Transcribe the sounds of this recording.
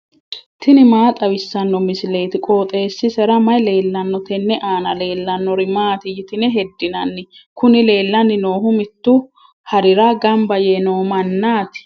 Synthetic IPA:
t̪ɪnɪmaːt̪ʼɐwɪsːɐnːɔmɪsɪle̞ːt̪ɪkʼoːt̪ʼe̞ːsːɪsɛɾɐmɐjle̞ːlːɐnːɔt̪ɛnːɛʔaːnɐle̞ːlːɐnːɔɾɪmaːt̪ɪjɪt̪ɪnɛɦɛd̪ːɪnɐnːɪkʊnɪle̞ːlːɐnːɪno̞ːɦʊmɪt̪ːʊ | hɐɾɪɾaːɡɐmbɐjɛnoːmɐnːaːt̪ɪ̥

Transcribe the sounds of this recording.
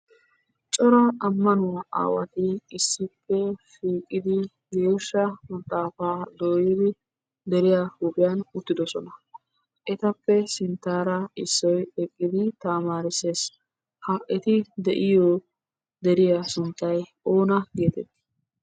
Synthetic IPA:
t͡ʃʼɔɾɐɐmːɐnʊwaʔa̰ːwɐ̰t̪ɪɪsːɪpːɛfiːkʼːɪd̪ɪ | ɡeːʃːɐmɐt̪ʼːaːfaːd̪oːjɪd̪ɪ | d̪ɛɾɪjaːhʊbɪjanʊt̪ːɪd̪ɔsɔnɐ | ʔɛt̪ɐpːɛsɪnt̪ːaːɾɐɪsːɔjɛkʼːɪd̪ɪt̪aːmaːɾɪseːs | hɐʔɛt̪ɪd̪ɛʔɪjoː | d̪ɛɾɪjasʊnt̪ːɐj | o̞ːnɐɡeːt̪ɛt̪ːɪ̥

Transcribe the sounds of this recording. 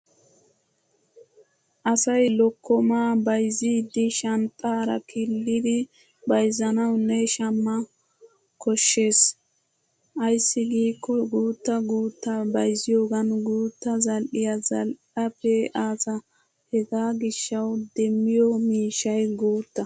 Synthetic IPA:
ʔɐsɐjlɔkʰːɔmaːbɐjziːd̪ɪʃɐnt̪ʼːaːɾɐ̰kʰɪlːɪd̪ɪ | bɐjzɐnɐwnːɛʃɐmːɐ | kʰɔʃːe̞ːs | ʔɐjsːɪɡiːkːɔɡuːt̪ːɐɡuːt̪ːɐbɐjzɪjo̞ːɡɐnɡuːt̪ːɐzɐlʔɪjɐzɐlʔɐpɛʔaːzɐ | hɛɡaːɡɪʃːɐwd̪ɛmːɪjɔmiːʃɐjɡuːt̪ːɐ

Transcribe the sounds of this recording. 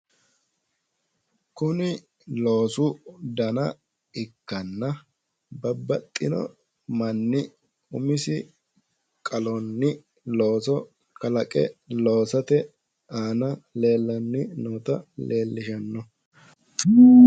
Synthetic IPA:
kʊnɪ | lo̞ːsʊd̪ɐnɐ | ɪkːɐnːɐ | bɐbːɐt̪ʼːɪnɔ̰ | mɐnːɪ | ʊmɪsɪ | kʼɐlɔnːɪ | lo̞ːsɔ | kɐlɐkʼɛ̰lo̞ːsɐt̪ɛ | aːnɐle̞ːlːɐnːɪnoːt̪ɐleːlːɪʃɐnːɔ

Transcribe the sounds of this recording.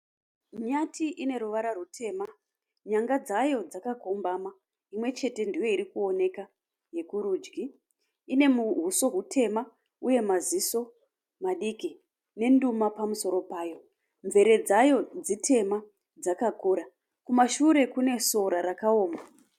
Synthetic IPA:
ɲatʰiʔine̞ɾuʋaɾarutʰe̞ːma | ɲaŋɡad͡zajo̞d͡zakakombama | imwe̞t͡ʃe̞te̞ndijo̞iɾikuo̞ne̞ka | je̞kuɾuːd͡ʒɡiː | ne̞muɦuso̞ɦutʰe̞ma | uje̞maziso̞ | maɗiki | ne̞ndumapamuso̞ɾo̞paːjo̞ | ɱve̞ɾe̞d͡zajo̞d͡zitʰe̞ma | d͡zakakuɾa | kumaʃuɾe̞kune̞so̞ɾaɾakaoːma

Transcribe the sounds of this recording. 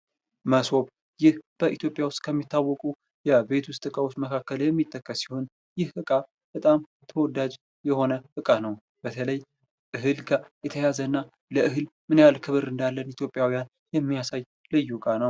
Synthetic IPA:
məso̞β | jɪhb̥əʔit̪ʰjo̞pʼjawʊst̪̚ʼkʰəmːit̪ʰːawːɔkʼu | jɛbe̞t̪ʰwʊst̪ʼɨkʼawot͡ʃːməkʰakːəljɛmːit̪ʼːəkːəsi̥ho̞n | jɪhɨkʼa | bət̪ʼam | t̪ʰəwɔd̪ad͡ʒ | jɛho̞nəʔɨkʼanəw | b̥ət̪ʰələj | ʔɨɦɨlɡajɛt̪ʰəjazənːa | ləʔɨɦɨlmɨnjalkʰɨβɨɾɨnd̪alːənit̪ʰjo̞pʼjawijan | jɛmːijasaj | lɨjːukʼanəw

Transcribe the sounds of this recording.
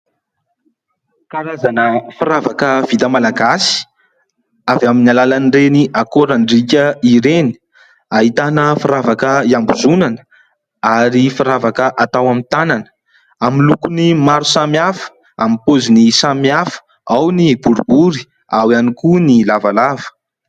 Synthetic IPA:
kaɾazanəfiɾavakəv̥it̪amalaɡasi̥ | avaminalalanireniʔakoɾanɖ͡ʐikʲəiɾeni̥ | aɦit̪anəfiɾavakəiambuzunanə̥ | aɾifaɾavakəʔat̪awamint̪ananə̥ | amilukunimaɾusamiafə̥ | amipozinisamiafə̥ | awnibuɾubuɾi | awianikunilavalavə̥

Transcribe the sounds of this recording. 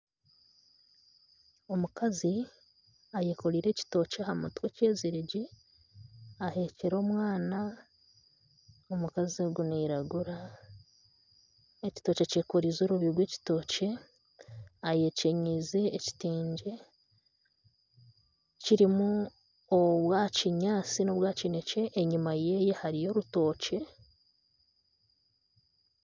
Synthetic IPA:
o̞mukazi | aje̞ːko̞ɾiːɾe̞ci̥to̞ːceahamatwece̞ːzeɾeɟi | ahe̞ceɾo̞ːmwaːna | omukazoɡuniɾaɡuɾa | eci̥to̞ːcece̞ːko̞ɾizoːɾuβiɡwe̞ːci̥to̞ːce̞ | aje̞ce̞ɲizeːci̥tiːɲɟe̞ | ciɾimu | oβwaːciɲaːt͡sino̞βwaːcine̞ce̞ʔːɲimaje̞ːje̞haɾijo̞ɾuto̞ːce̞

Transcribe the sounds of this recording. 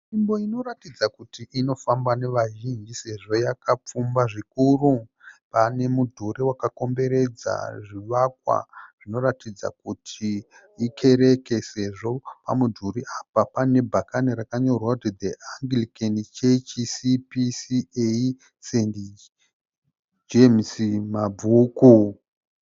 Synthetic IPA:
imbo̞ino̞ɾatid͡zakutiʔino̞fambane̞ʋaʒind͡ʒise̞ʐo̞jakap͡fumbaʐikurupane̞mudʱuɾiwakako̞mbe̞ɾe̞d͡za̰ʐiʋak̚wa̰ʐ̥ino̞ɾatid͡za̰kutʰi | ikʰe̞ɾe̞kese̞ʐo̞pa̰mudʱuɾiʔapapane̞bʱakaniɾakaɲo̞rwautid̪eʔaŋɡlikenit͡ʃet͡ʃisipisiei | sendi | d͡ʒemsimabʱuku

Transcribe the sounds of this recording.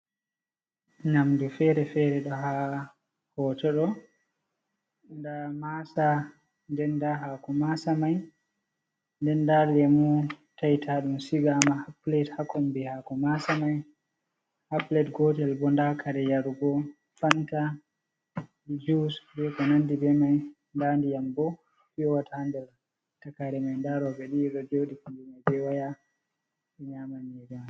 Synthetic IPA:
namdufɛɾɛfɛɾɛɗɔɦa | hɔtɔɗɔ | ndamasa | ndɛndaɦakɔmasamaj | ndɛndaldɛmutajtʰaɗumsiɡaːmahaplɛthakɔmbihakɔmasamaj | haplɛtɡɔtɛlbɔndakaɾɛjaɾuɡɔ | fanta | id͡ʒusbɛkɔnanːdibɛmaj | ndaːndijambɔ | fijɔwatʰaandɛl | takaɾɛmajndaɾɔbɛɗiɗɔd͡ʒoːɗikandumabɛwaja | ɓɛɲaːmaɲɛɡama

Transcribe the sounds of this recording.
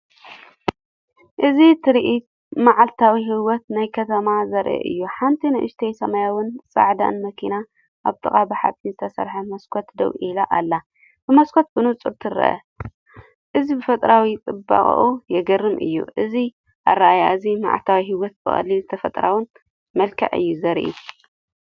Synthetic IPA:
ʔɨzit̪ʰɨɾʔit̪ | maʕalt̪ʰawiɦiwɔt̪najkʰɐt̪ʰɐmazɐɾʔɛ̰ʔɨ̰jːuħant̪ʰinɐʔɨ̰ʃt̪ʰejsɐmɐjawɨnsʼa̰ʕd̪a̰nmɐkʰina | ʔaβt̪ʼɨkʼabɨħa̰t̪ʼːinzɨt̪ʰɐsɐ̰ɾħɐmɐskʰot̪d̪ɐ̰wʔilaʔalːa | b̥ɨmɐskʰot̪̚bɨnut͡sʼuɾt̪ʰɨɾɐ̰ʔɐ̰ | ʔɨzibɨfɐt̪ʼɾawit͡s̪ʼɨbːa̰χʼʔujɛɡɐrːɨmʔɨ̰jːṵʔɨzi | ʔa̰raajazima̰ʕa̰lt̪ʰawiɦiwɔt̪̚bɨ̰xʼɐ̰lːilɨt̪ʰɐfɐt̪ʼɾa̰wɨn | mɐlkʰɐ̰ʕɨ̰jːuzɐɾʔḭ

